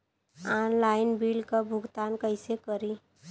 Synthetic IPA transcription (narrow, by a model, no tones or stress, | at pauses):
aːnlaːɪnbiːlkabʱʊɡt̪aːnkəɪsekəɾi